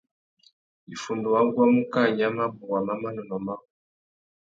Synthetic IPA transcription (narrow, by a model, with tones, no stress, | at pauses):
i˨fu˨ndu˨wa˦ŋɡwa˦mu˦ka˦˨ɲa˦ma˦bu˨ɣwa˨ma˦ma˦nɔ˨nɔ˨ma˦˨